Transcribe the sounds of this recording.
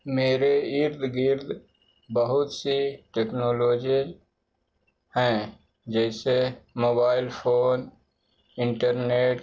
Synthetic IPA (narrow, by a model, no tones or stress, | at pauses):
meːɾeɪɾd̪ʱɡɪɾd̪ʱ | bəɦʊt̪siʈeːknoːloːd͡ʒi | hɛ̃ | d͡ʒɛːsemoːbaːɪlpʰoːn | ɪ̃ɳʈəɾneːʈ